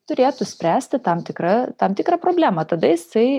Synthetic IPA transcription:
t̪ʊɾʲeːt̪ʊsʲpʲɾʲæːsʲt̪ʲɪt̪ɐmt̪ʲɪkɾɐt̪ɐmt̪ʲɪkɾɑːpɾoːbʲlʲæːmɐt̪ɐd̪ɐjɪsɐɪ

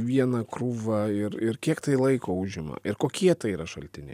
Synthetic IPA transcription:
ʋʲiɛnɐkɾuːʋɐɪɾɪɾkʲiɛkt̪ɐɪlˠɐɪkoːʊʒʲɪmɐ̰ɪɾkoːkʲiɛt̪ɐɪiːɾɐʃɐlʲt̪ʲɪnʲɛ̰ɪ

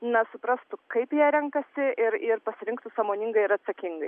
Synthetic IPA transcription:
nɐsʊpɾɐst̪ʊkɐɪpjiɛɾʲɛŋkɐsʲɪʔɪɾɪɾpɐsʲɪɾʲɪŋkt̪ʊsɑːmoːnʲɪŋɡɐɪɪɾɐt̪sɐkʲɪŋɡɐɪ

